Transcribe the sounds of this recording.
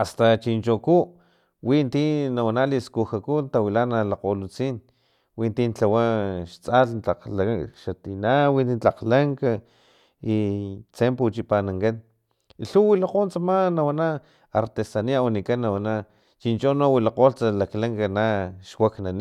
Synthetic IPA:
ast̪at͡ʃint͡ʃoku | wʔint̪inawanaliskuxakunt̪awilanalaqolut͡siːn | wint̪int͡ɬawaʃt͡saɬnt͡ɬaqlaʃat̪inawint̪int͡ɬaqlaŋka | it͡semput͡ʃipanaŋkan | iɬuwilaqont͡samanawana | aɾt̪esaniaonikanːawana | t͡ʃint͡ʃonowilaqoːlt͡salaklaŋkanaʃwaknani

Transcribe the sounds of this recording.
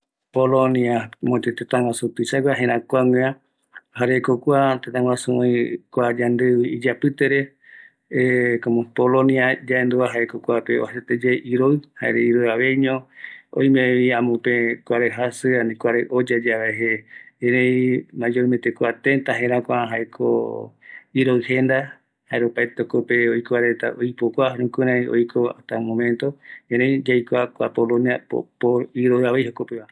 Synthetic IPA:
polõniamõt͡ʃet̪et̪ãŋwasupisaɡʷaɦẽɾ̃ãkʷaŋẽã | haɾekokʷat̪et̪ãŋwasũõĩkʷad͡ʒand̪eβiid͡ʒapɨt̪eɾe | ekomõpoloniad͡ʒaʔend̪uaɦaekokʷapeoset̪ed͡ʒeʔiɾoɨhaeɾeiɾojaʋejɲõõ̰ĩmẽiãmũpẽkʷaɾeɦasɨanĩkʷaɾeʔod͡ʒad͡ʒaβaeɦeẽɾẽjmãd͡ʒoimet̪ekʷat̪ẽnt̪aɦẽɾãkʷaɦaekʰo̰ | iɾoɨhend̪a | haeɾopaet̪okopeojkaɾet̪a̰ʔojpokʷaɾũkɨ̃ɾ̃ãjo̰jkʰoa̰t̪amõmẽnt̪oeɾẽjd͡ʒajkʷakʷa̰polõniapo̰poiɾoɨaβejhokopeβa

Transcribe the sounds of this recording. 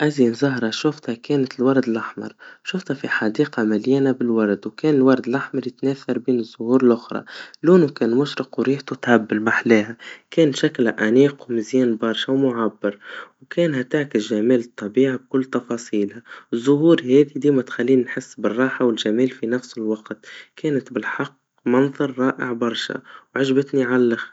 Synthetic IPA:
ʔaziːnzɑɦɾˤɑʃʊft̪hækɛːnɪt̪ɪlwɑɾˤd̪ɪlʔaħmɑ̰ɾˤʃʊft̪hæfiħɑd̪iːqɑmɪljɛːnabɪlwɑɾˤd̪wkɛːnɪlwɑɾˤd̪ɪlʔaħmɑɾˤjɪt̪næːθɑɾˤbiːnɪzːʊhuːɾɪlʔʊxɾˤɑ̰luːnukæːnmʊʃɾɪqwɾiːħt̪ut̪ʕabːɪlbaħleːɦækɛːnʃæklʔaniːqwmɪzjɛːnbɑɾˤʃawmʊʕabːɪɾwkɛːnɦat̪aʕkɪsʒamiːlɨt̪ˤːɑbiːʕib̚kʊlːt̪ɑfɑːsˤiːlhaɪzˤːʊɦuːɾhɛːd̪id̪iːmat̪xælːiːnːħɪsːbɪrˤːɑːħawɪlʒamiːlfinafsɪlwɑqt̪kɛːnɪt̪bɪlħɑqː | mɑnðˤɑɾˤːɑːʔɪ̰ʕbɑɾˤʃa̰wʕɪʒbɪt̪niʕallːax

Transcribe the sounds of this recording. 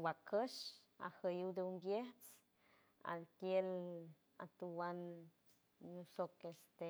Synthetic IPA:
wakʰəʃa̰həjud̪eumbjeht͡s | a̰d̪kjel | a̰t̪uwan | ɲusokest̪e

